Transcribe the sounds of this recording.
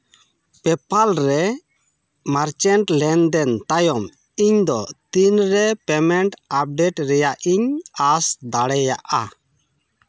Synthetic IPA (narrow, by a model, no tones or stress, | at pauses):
pɛpalɾɛ | maɾt͡ʃɛɳʈlɛnd̪ɛnt̪ajɔm | iɲd̪ɔt̪inɾɛpɛmɛɳʈap̚ɖɛʈɾɛjaʔiɲasd̪aɽɛja̰ʔa̰